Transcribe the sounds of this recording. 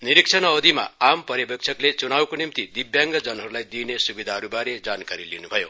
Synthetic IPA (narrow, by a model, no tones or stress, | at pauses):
niɾik̚t͡ʃʰʌnʌwd̪ima̰ampʌɾjʌbek̚t͡ʃʰʌklet͡sunawkonimt̪id̪ibjaŋɡʌd͡zʌnɦʌɾulajd̪inesubid̪ʱaɦʌɾubaɾed͡zankaɾilḭnubʱʌjo